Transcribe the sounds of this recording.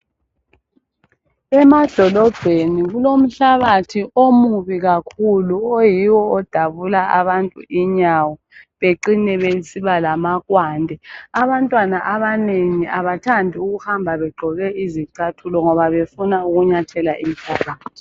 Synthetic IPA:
ɛmad̥ʱɔlɔb̥ʱeniɣulom̩ɬaɣatʰiʔomuβiɣakʰuluojiwɔɔd̥ʱaβulaʔa̰βantʼṵiɲawɔ | βeǃinɛβesiβalamaɣwaːndʱɛaβantʼwanaʔaβaneŋiʔaβatʰandʱiuɣuhambʱaβɛɡ͡ǃʱɔɣɛiziǀatʰulɔŋɔβaβefunauɣuɲatʰɛlaʔimpʰɔkʰʼaːtʰi̥

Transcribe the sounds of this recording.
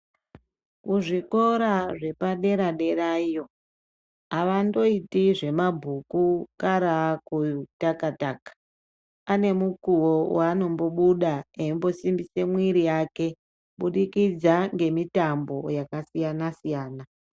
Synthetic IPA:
kuʐiko̞ɾaʐe̞paɗe̞ɾaɗe̞raijo̞ | aʋando̞itiʐe̞mabʱukukaɾakutakatakḁ | ane̞mukuwowaːno̞mbo̞ɓuɗaeimbo̞simbise̞mwiɾijaːke̞ | ɓuɗikid͡zaŋɡe̞mitambo̞jakasijanasijaːna

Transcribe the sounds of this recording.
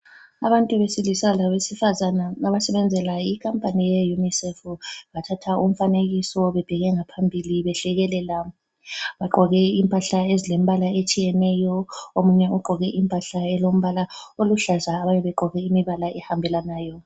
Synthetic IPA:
aβantʼuβesilisalaβesifazanaaβasɛβɛnd͡zʱɛlaikʰampʼanijɛjunisɛfβatʰatʰaum̩faneɣisɔβɛb̥ʱɛɣɛŋapʰambʱiliβɛɬɛɣɛlɛla | βaɡ͡ǃʱɔɣɛimpʼaɬaezilem̩βalaet͡ʃʼijɛnɛjɔomuɲɛuɡ͡ǃʱɔɣɛʔimpʼaɬaɛlom̩βalaoluɬazaːβajɛβɛɡ͡ǃʱɔɣɛimiβalaʔɛhambʱɛlanaːjɔ

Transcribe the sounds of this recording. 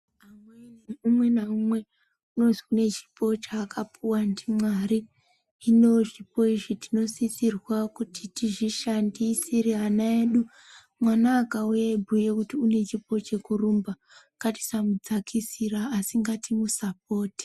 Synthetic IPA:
amweniumwe̞naumwe̞ | uno̞ziune̞t͡ʃi̥pʰo̞t͡ʃaːkʰapʰuwandimwaɾiː | no̞ʐipo̞iʐitino̞sisirwakuti̥tiʐiʃandisiɾiɦanae̞ːɗu | mwanaːkaujaibʱujekutiune̞t͡ʃipo̞t͡ʃe̞kurumba | kati̥samud͡zakʰisiɾaːsiŋɡatimusap̚o̞ːti̥

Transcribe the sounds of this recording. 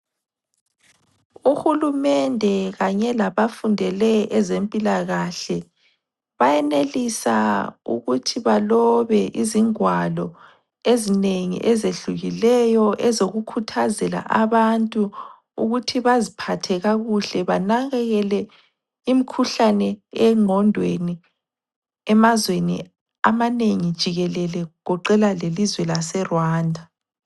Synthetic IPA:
uhulumɛndʱɛɣaɲɛlaβafundʱɛlɛʔɛzempʼilaɣaɬɛ | βajɛnelisa̰ṵɣutʰiβalɔβɛʔiziŋwalɔ | ezineŋḭʔɛzeɬuɣilɛjɔʔɛzoɣukʰutʰazɛla̰ʔaβantʼu | uɣutʰiβazipʰatʰɛɣaɣuɬɛβanaɣɛɣɛlɛ | imikʰuɬanɛɛŋʱɔndʱweni | ɛmazwenḭ | amaneŋid̥ʒ̥ʱiɣɛlɛlɛɣɔǃɛlalelizwɛlasɛrwaːndʱa

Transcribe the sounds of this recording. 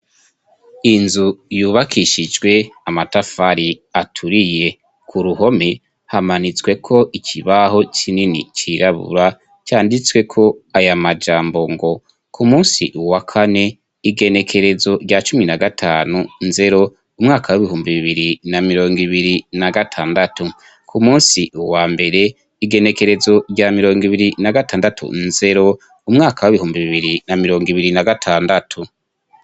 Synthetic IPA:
inzujuːβakʰiʃid͡ʒɡwe̞amatafaɾi | atʰuɾije̞ | kʰuɾuɦo̞me̞ | hamanit͡sɡwe̞kʰo̞ʔicʰiβaɦo̞t͡ʃʰininḭt͡ʃiɾaβṵɾa | caːndit͡swe̞kʰo̞ajamad͡ʒaːmbo̞ŋɡo̞ | kʰumuːnsḭʔuwakʰane̞ | iɡe̞ne̞kʰe̞ɾe̞zo̞ɾɟat͡ʃuminaɡatʰaːnunze̞ɾo̞ | umŋaːkʰawiβiɦuːmbiβiβiɾinamiɾo̞ːŋɡiβiɾinaɡatʰaːndatu | kʰumuːnsiuwaːmbe̞ɾe̞ | iɡe̞ne̞ke̞ɾe̞zo̞ɾɟamiɾo̞ːŋɡiβiɾinaɡataːndatʰṵnze̞ɾo̞ | umŋaːkʰawiβihuːmbiβiβiɾinamiɾo̞ːŋɡiβiɾinaɡatʰaːndatʰu

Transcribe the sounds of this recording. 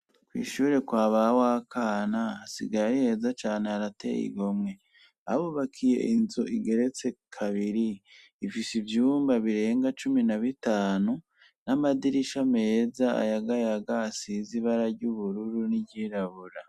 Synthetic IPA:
kwḭːʃuːɾe̞kwaːβawakʰaːnaːsḭɡaɾihe̞ːzat͡ʃaːne̞aɾatḛjḭɡo̞mŋe̞ | a̰βuβakʰije̞̰ʔinzoʔiɡe̞ɾe̞t͡se̞kʰaβiɾiː | fisivjuːmbaβiɾe̞ːŋɡat͡ʃuminaβitaːnu | namadiɾiʃame̞ːzaa̰jaɡajaɡasiziβaɾaɾɟuβuɾuɾuniɟiːɾaβuɾa

